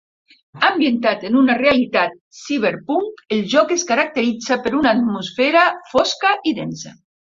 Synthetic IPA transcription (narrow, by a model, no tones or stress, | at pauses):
ambjent̪at̪enunarealit̪at̪̚siβ̞eɾpuŋelʒɔkeskaɾak̚t̪eɾid͡zapeɾunaːt̪musfeɾafɔskaʔiðensa̰